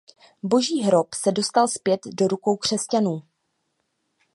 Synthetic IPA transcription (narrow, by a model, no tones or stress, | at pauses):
bo̞ʒiːɦɾo̞psɛdo̞st̪alspjɛt̪do̞ɾuko̞wkr̝̥ɛscanuː